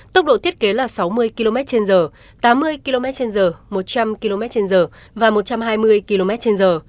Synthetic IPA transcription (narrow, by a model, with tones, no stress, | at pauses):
t̪ə˦˥k͡p̚ɗo̰˧˨i˦˥ət̚ke˨˦laː˨˩sa˨˦wmɨ˧əjki˧lo˧mɛ˦˥t̚t͡ɕe˧nzəː˨˩ | t̪aː˨˦mːɨ˧əjki˧lo˧mɛ˦˥t̚t͡ɕe˧nzəː˨˩mo˨˩t̚t͡ɕa˧mki˧lo˧mɛ˦˥t̚t͡ɕe˧nzəː˨˩ | vaː˨˩mo˨˩t̚t͡ɕa˧mɦaː˧jmɨ˧əjki˧lo˧mɛ˦˥t̚t͡ɕe˧nzəː˨˩